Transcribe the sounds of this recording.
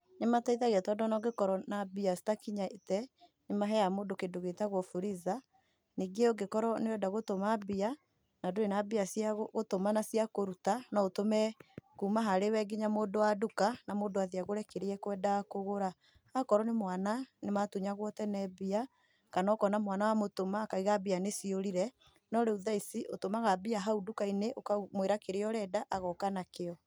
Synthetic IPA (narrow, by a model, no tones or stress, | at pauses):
ɲemataiðaɣeatɔdɔnɔɡekɔɾɔnabiasi̥takiɲaetɛ | nemaɦɛjamoːdokedoɣetaɣwɔfuɾiða | niɡeɔɡekɔɾɔneɛdaɣotomabia | nadoenabiasiaɣotomanasjakoɾutanaotomɛkuːmaɦaɾewɛɡiɲamoːdowadukanamoːdoaðiaɣoɾɛkeɾeɛkwɛdakoɣoɾa | akɔɾɔnemwananematuɲaɣwɔtɛnɛbia | kanɔːkɔnamwanawamotomaːkaiɣabianesioɾiɾɛ | nɔɾeuðaisiʔotomaɣabiaɦaudukaineʔokamweɾakeɾeɔɾɛːdaʔaɣɔkanakeɔ